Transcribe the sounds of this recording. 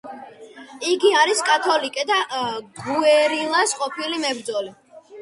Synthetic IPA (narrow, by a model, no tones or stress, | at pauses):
iɡiaɾiskʼat̪ʰɔlikʼɛd̪aɡuɛɾilˠasqʼɔpʰilimɛbɾd̪zɔli